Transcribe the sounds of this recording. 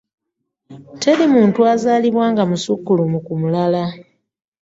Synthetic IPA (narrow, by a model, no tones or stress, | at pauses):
te̞limuːntuazaːliβwaːŋɡamusukːulumukumulala